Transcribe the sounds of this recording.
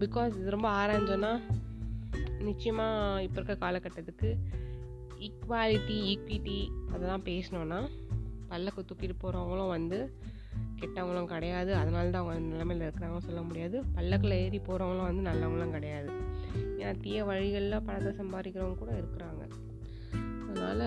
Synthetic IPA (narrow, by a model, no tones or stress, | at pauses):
bɪkːoːsɪðɯɾɔmbɐaːɾaːɲd͡ʒɐ̃nːaː | nɪt͡ʃːɪjɐmaːɪpːɔɾɯkːɐkaːlɐkːɐʈːɐðɯkːɯ | ɪkʋaːlɪʈːiikʋiʈːiɐðɛlːãːpeːsɐnõːnːaːpɐlːɐkːɯt̪ːʊpːiːɾpoːɾɐʋɐŋɡɐɭʊ̃ʋɐnd̪ɯ | kɛʈːɐʋɐŋɡɐɭʊ̃kɪɽɐjaːðɯɐðɐnaːlɐt̪ãːʋɐŋɡɐʋɐnnɐlːɐmeːlɐɪɾɯkːɪɾaːŋɡɐnɯsɔlːɐmʊɽɪjaːðɯpɐlːɐkːɐɭɐeːɾipːoːɾɐʋŋɡɐɭʊ̃ʋɐnd̪ɯnɐlːɐʋɐŋɡɐɭ̃ŋkɪɽɐjaːðɯnɐt̪ɪjɐʋɐɻɪɣɐɭɪlɐ̃pɐɳɐt̪ːɐsɐmbaːɾɪkːɪɾɐʋɐŋɐkuːɽɐɪɾɯkːɪɾaːŋɡɐ̰ | ɐðɐna̰ːlɐ